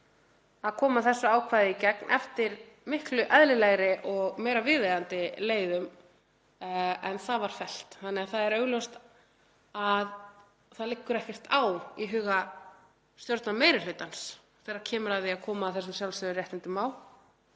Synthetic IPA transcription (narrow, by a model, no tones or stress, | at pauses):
aðkʰɔːmaθɛsːʏaːwkʰvaːjðɪicɛknʔɛft̪ɪɾ | mɪhklʏʔɛðlɪlɛɣɾɪʔɔɣmeːjɾavɪðejɣant̪ɪleːjðʏm | ɛnθaðvaɾ̥fɛl̥t̪θanːɛɣaθaðɛɾœɥɣlœwst̪ | að | θaðlɪkːʏɾɛhcɪr̥t̪ʰaːwiɦʏːɣa | st̪jowɾt̪nameːjɾɪlʏːt̪ans | θɛːɾḁcʰɛːmʏɾaððɪaðkʰɔːmaːθɛs̬ːʏmsjawlsœðʏrjɛjht̪ɪnt̪ɪmaːwl